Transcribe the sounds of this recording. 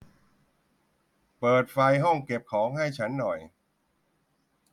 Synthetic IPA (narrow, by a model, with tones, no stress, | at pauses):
pɤː˨˩t̪̚fa˧jɦɔ˥˩ŋke˨˩p̚kʰɔː˩˦ŋha˥˩jt͡ɕʰa˦˥nːɔ˨˩j